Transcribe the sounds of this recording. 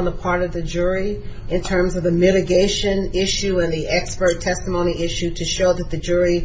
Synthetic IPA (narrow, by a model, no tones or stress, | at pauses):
nðəpʰɑɹɾʌvðɨd͡ʒʊɹiɨ̃ntʰɜ̃˞mzʌvðɨmɪɾɨɡeɪʃɨ̃nɪʃʉɨ̃nðiʔɛkspə˞tʰɛstəmõʊ̃ɾ̃iʔɪʃʉɾɨʃoʊðɨt̪̚ðɨd͡ʒʊɹi